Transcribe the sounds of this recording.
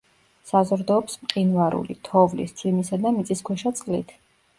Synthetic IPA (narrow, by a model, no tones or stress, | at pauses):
sazɾd̪ɔːpsmqʼinvaɾṵlḭt̪ʰɔvlḭssʰʼimisad̪amit̪sʼiskʰwɛʃat̪sʼqʼlḭt̪ʰ